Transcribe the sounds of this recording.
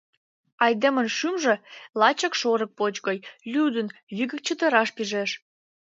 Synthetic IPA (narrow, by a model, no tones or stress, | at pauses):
ɑjd̪emənʃymʒĕlɑt͡ɕəkʃoɾək̚pot͡ɕɣəjlʲyd̪ənβiɣə̆k̚t͡ɕət̪ə̆ɾɑʃpiʒeʃ